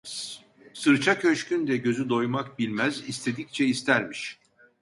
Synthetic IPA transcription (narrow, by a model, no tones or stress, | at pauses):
sɯɾt͡ʃʰacʰø̞ʃcynd̪ɛɟø̞zyd̪o̞jmak̚bilʲmæzist̪ʰe̞d̪ic̚t͡ʃʰɛist̪ʰæɾmiʃ